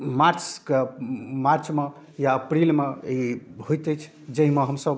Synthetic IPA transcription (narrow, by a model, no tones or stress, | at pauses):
maɾt͡ʃkemaɾt͡ʃme | jaəpɾilmeiɦojt̪ət͡ʃʰ | d͡ʒəɦimeɦəmsəb